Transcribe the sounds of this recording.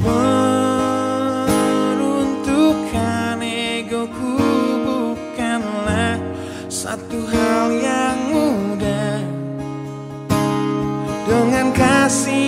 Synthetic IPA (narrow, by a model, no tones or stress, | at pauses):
mə | ɾunt̪ukʰaneɡokubukanla | sa̰t̪uɦaljaŋmuda | dəŋankasi